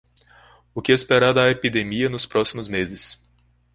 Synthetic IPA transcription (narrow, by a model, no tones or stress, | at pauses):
ʊkɪɛspeɾaɾd̪ɐepid̪emiɐnʊspɾɔsimʊzmezɪs